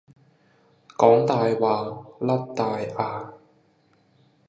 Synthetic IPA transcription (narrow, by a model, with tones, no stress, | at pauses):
kɔː˨˥ŋt̪aː˨˧jwaː˨˩lɐ˥t̚t̪aː˨jʔaː˧